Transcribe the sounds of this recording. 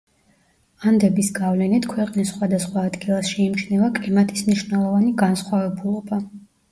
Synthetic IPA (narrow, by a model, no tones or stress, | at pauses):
and̪ɛbisɡavlɛnit̪ʰkʰwɛqʼnisχwad̪asχwaːd̪ɡilˠasʃiːmt͡ʃʰnɛvakʼlimat̪ʰismniʃnɛlˠɔvaniɡansχwavɛbulˠɔba